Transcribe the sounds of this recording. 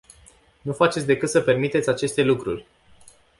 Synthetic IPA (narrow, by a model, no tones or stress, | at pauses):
nufat͡ʃesʲd̪e̞kɨt̪səpe̞rmit̪eat͡ʃe̞st̪e̞lukɾṵrʲ